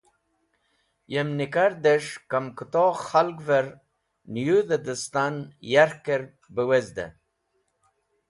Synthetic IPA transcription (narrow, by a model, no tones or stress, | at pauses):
jemnikaɾd̪eʂkamkət̪oχalɡveɾ | njud̪əd̪əst̪anjaɾkeɾ | bəwezd̪ḛ